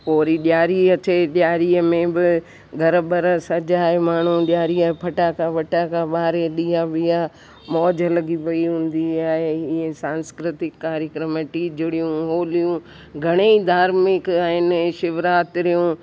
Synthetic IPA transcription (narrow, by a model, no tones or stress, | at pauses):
poːɾiɗjaːɾiɐteɗjaːɾiəmẽbɪ | ɡʱɐɾbəɾəsɐd͡ʒaːɦemaːɳ̤ũɗjaːɾiaːɦepʰɐʈakaʋɐʈakaɓaːɾeɗiːaʋɪja | mɔːd͡ʑəlɐɡiʋɐiɦũːn̆d̪iaːɦeɪẽsãːnskɾɪt̪ɪkːaːɾjəkɾəməʈid͡ʑʊɽijũɦoːlijũ | ɡʱɐɽ̃eid̪ʱaːɾmɪkaːɦɪnɪʃɪʋɾaːt̪ɾijũ